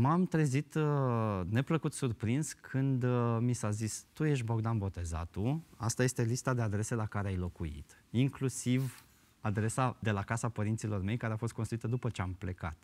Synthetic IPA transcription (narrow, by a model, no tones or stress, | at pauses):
mamt̪ɾe̞zit̪ | ne̞pləkut̪surpɾinskʰɨnd̪misazist̪uje̞ʃ̬bo̞ɡd̪anbo̞t̪e̞za̰t̪ua̰st̪aje̞st̪e̞list̪ad̪e̞ad̪ɾe̞se̞lakaɾeajlo̞kuḭt̪iŋklusiv | ad̪ɾe̞sad̪e̞lakasapəɾint̪silo̞rme̞jkaɾeafost̪̚kost̪ɾuit̪əd̪upət͡ʃe̞ample̞ka̰t̪